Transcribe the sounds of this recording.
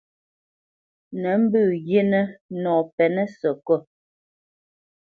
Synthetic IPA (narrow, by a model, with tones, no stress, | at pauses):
nɛ˨˦m̩˦bʉː˦˨ɣe˦nɛ˦nɔː˨pɛ˨nɛ˦sɔ˨kɔ˦˨